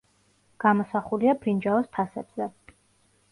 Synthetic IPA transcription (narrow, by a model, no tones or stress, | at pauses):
ɡ̥amɔsaχuliabɾind͡ʒaɔst̪ʰasɛ̰b̥z̥ɛ